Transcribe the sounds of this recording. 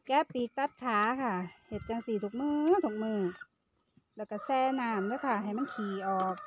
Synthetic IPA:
kɛː˦˥˩pːiː˨˧˦k̚t̪a˧˩t̪̚kʰaː˨˦kʰa˥˩he˨˧˩t̪̚t͡ɕa˧ŋsiː˧˩t̪ʰu˧˦k̚mɯː˧˥˩t̪ʰu˨˧˩k̚mɯː˧˩ | lɛː˧˩wkaː˧˩sɛː˧˩naː˧˩mlɛː˧˥˩kʰa˧˩ɦa˨˩jma˧˥˨nkʰiː˨˩ʔɔː˨˩k̚

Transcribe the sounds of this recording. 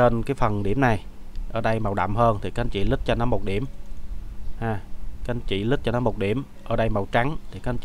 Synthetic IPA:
e˧nkaː˨˦jfə˨˩nɗi˧˩əmna˨˩j | ʔəː˧˩ɗə˧jma˨˩wɗa̰˧˨wmhəː˧nt̪ʰi˨˩ka˦˧nt͡ɕḭ˧˨lɨ˦˥k̚t͡ɕɔ˧nɔ˨˦mo˨˩t̚ɗi˧˩əm | haː˨˩ka˧˦˧nt͡ɕḭ˧˨lɨ˦˥t̚t͡ɕɔ˧nɔ˨˦mo˨˩t̚ɗi˧˩əm | ʔəː˧˩ɗə˧jma˨˩wt͡ɕa˨˦ŋt̪ʰi˨˩ka˦˥˧nt͡ɕi˨

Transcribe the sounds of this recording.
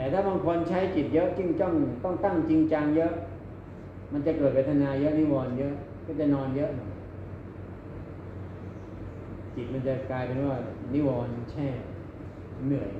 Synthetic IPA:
t̪ɛː˨˩t̪ʰaː˥˩ba˧ŋkʰo˧nt͡ɕʰa˦˥jt͡ɕi˨˩t̪̚jɤ˦˥ʔt͡ɕi˥˩ŋt̪ɔ˥˩ŋt̪ɔ˥˩ŋt̪a˥˩ŋt͡ɕi˧ŋt͡ɕa˧ŋjɤ˦˥ʔ | ma˧nt͡ɕa˨˩kɤː˨˩t̪̚pʰa˦˥t̪ʰa˧naː˧jɤ˦˥ʔni˦˥wɔː˧njɤ˦˥ʔ | kɔː˥˩t͡ɕa˨˩nɔː˧njɤ˦˥ʔnɔ˧˩ | t͡ɕi˨˩t̪̚ma˧nt͡ɕa˨˩kaː˧jpe˧nwaː˥˩bɛ̰ː˨˩p̚ni˦˥wɔː˧nt͡ɕʰɛː˥˩ | nɯ˨˩əj

